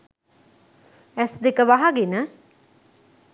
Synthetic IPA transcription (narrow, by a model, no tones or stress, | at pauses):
æsd̪ekəʋaɦaɡenə